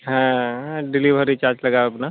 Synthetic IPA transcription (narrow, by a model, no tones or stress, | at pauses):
ɦãɖɪliʋʱəɾit͡ʃaːɾt͡ʃlɐɡaɐpna